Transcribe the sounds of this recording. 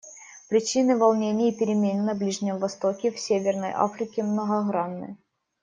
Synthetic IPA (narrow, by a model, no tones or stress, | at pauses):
pɾʲɪt͡ɕinɨvɐlˠnʲenʲɪjpʲɪɾʲɪmʲenʲːɐblʲiʐnʲɪmvɐst̪okʲɪfsʲevʲɪrnə̰jʔa̰fɾʲɪkʲɪmnəɣɐɣɾanːɨ̰j